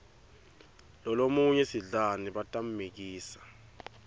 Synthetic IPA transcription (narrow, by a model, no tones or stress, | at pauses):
lɔlomuɲɛsiɮaniɓatʼam̩mik̬iːsḁ